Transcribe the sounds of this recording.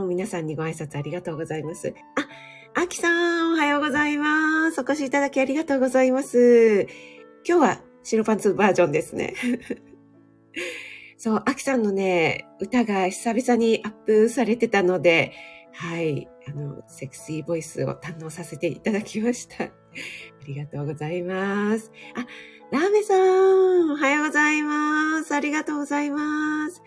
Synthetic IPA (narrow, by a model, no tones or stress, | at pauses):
omʲinasãɲ̟ːiɡo̞aisat͡sɨaɾʲiɡat̪o̞ːɡo̞zaimasɨ̰ | a | akʲi̥sãohajo̞ːɡo̞zaimasɨokoɕiːt̪ad̪akʲiaɾʲiɡat̪o̞ːɡo̞zaimasɨ | kʲo̞ːβa | ɕiɾo̞pãnt͡sɨbaːʑõ̞nd̪e̞sɨnḛ | so̞ːʔakʲi̥sãnːo̞ne̞ɯ̟t̪aɡaɕi̥sabisaɲ̟iʔapːɯ̟saɾe̞t̪e̞t̪ano̞d̪e̞hai | ano̞̰se̞kɯ̟̥siːbo̞isɨ̰o̞̰t̪ãnːo̞ːsase̞t̪e̞it̪ad̪akʲimaɕi̥t̪ʰa | aɾʲiɡat̪o̞ːɡo̞zaimasɨ̥a | ɾaːme̞sã | hajoɡo̞zaimasɨaɾʲiɡat̪o̞ːɡo̞zaimasɨ̥